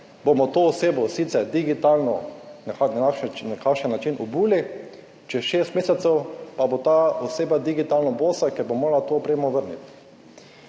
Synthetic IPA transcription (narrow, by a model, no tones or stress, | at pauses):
bomɔt̪oːseːbɔsit̪sɛɾd̪iɡit̪aːlnɔnananɛkʰaʃɛnːat͡ʃinʔɔbuːli | t͡ʃɛʃeːst̪meːsɛt̪sɛwpabot̪aːoseːbad̪iɡit̪alnɔboːsakɛɾbomoːɡlat̪oːpɾeːmɔʋəɾnḭt̪